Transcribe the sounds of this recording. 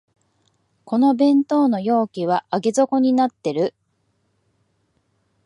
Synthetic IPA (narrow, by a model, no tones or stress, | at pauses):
ko̞no̞bẽ̞nt̪o̞ːno̞jo̞ːkʲiβ̞aaɡe̞zo̞ko̞ɲ̟inat̪ːe̞ɾɯ̟